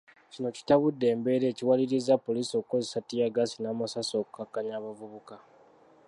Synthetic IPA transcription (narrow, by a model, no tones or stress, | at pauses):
cino̞ci̥taβudːe̞ːmbe̞ɾe̞ːciwaliɾizapːo̞liːsio̞kuko̞zesatijaɡasinaːmasaso̞ːku̥kakːaɲaːβavuβuka